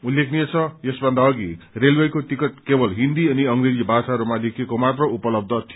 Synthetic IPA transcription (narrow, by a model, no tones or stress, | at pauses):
ulːekʰniet͡sʰʌjesbʱʌnd̪aːɡirelwejkot̪ikʌt̪̚kebʌlɦind̪iʌniʌŋred͡zibʱasaɾumalekʰiekomat̪rʌupʌlʌb̚d̪ʱʌt̪ʰi